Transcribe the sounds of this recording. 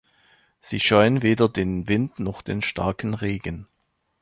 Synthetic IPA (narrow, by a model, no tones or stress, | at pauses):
z̥iːʃɔʏənveːdɐdeːnvɪntnɔχd̥eːnʃta̰ɐkn̩ʁeːɡən